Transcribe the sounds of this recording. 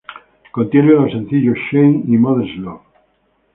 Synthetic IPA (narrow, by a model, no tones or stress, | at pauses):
kont̪jeɾjolosen̟θiʎosʃejnimoðeslo